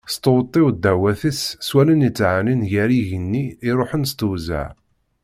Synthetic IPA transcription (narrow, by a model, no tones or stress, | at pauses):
st̪əwt̪ˤːɪwd̪ːæwæθəsswælənət͡sːʕaninʝæɾiʝənːiːɾˤoħənst̪uza̰ʕ